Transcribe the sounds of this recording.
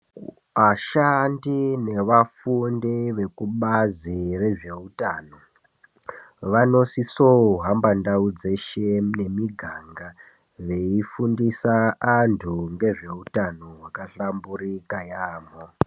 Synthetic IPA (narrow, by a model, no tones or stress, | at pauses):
ʋaʃandine̞ʋafundiʋe̞kuɓazire̞ʐe̞utaːno̞ | ʋano̞sisoɦambandaud͡ze̞ʃene̞miɡʱaŋɡa | ʋe̞ifundisaːntʰuŋɡe̞ʐe̞utanowakaɬamburikajaːmo